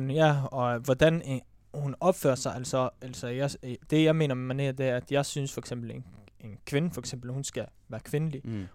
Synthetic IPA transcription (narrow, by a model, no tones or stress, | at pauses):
jæɒ̽ʋɒd̥æn | hunɒ̽b̥fø̰ːɐsɑ̈ɪʔæl̰sɒæl̰sɒjad̥e̝jɑ̈ɪme̝̰ːnɐmæne̝ːɐd̥e̝æɐæd̥jɑ̈ɪsynsfɒeɡ̥sem̰b̥l̩ene̝nkʰʋe̝nəfɒ̽eɡ̥sem̰b̥l̩hunsɡ̥æ | ʋæːɐkʰʋe̝nəli